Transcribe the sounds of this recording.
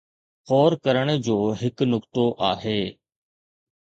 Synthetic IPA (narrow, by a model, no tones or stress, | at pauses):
xɔːɾkəɾəɽ̃d͡ʑoːɦɪknʊkt̪oʔaːɦeː